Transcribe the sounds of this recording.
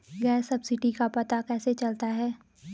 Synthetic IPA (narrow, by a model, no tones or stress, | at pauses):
ɡɛːsɐbsɪʈikapɐt̪akɛːset͡ʃɐlt̪aɦɛː